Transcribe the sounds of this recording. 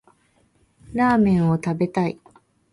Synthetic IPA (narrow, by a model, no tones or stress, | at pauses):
ɾaːmẽ̞ɰ̃o̞t̪abe̞t̪ai